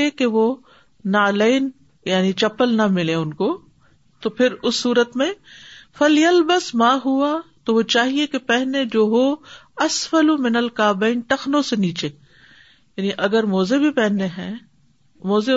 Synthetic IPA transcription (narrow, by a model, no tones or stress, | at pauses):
ekeʋo | naːleːn | jaːnit͡ʃɐpəlnɐmɪleʊnko | t̪opʰɪɾʊsːuːɾət̪mẽfɐljɐlbəsmaːɦuat̪oʋot͡ʃaːɦiekepɛɦned͡ʒoːɦoɐsfɐlumɪnɐlkaːbeːnʈɐxnõseniːt͡ʃeː | jaːniʔɐɡəɾmoːzebʱipɛɦneɦɛ̃ː | moːze